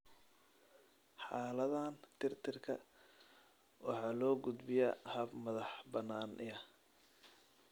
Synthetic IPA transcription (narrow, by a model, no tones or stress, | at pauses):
ħɑːlɐðaːnt̪ʰɪrt̪ʰɪrkʰɐ̰ | wʔɑħɑːlɔːɡʊd̪bɪjɐhɐbmɐðɑħbɐnːaːnʔɪɐ